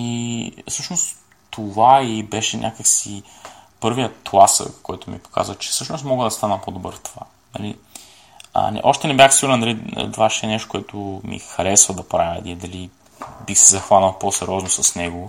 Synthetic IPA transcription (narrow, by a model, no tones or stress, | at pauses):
ifsɤʃnos | t̪ovaibɛʃɛnʲʔakəksipɤɾvijət̪lˠasə̰kkːɔjt̪ʊmḭpo̥ka̰zvət͡ʃɛ̥fsɤʃnost̪mɔɡəd̪ɐst̪anəpod̪obə̰ɾft̪ova̰ | nɐ̰lḭ | nɛ̰ʔɔʃt̪ɛnɛbʲjaxsiɡʊɾnd̪ɐlḭt̪vaʃɛːnɛʃt̪o̥kʷʊɛt̪ʰʊmḭxɐɾɛsvəd̪ɐpɾavʲəd̪id̪ɐli | bixsɛzɐxvanəlˠposɛɾʲɔznosɐsnɛɡo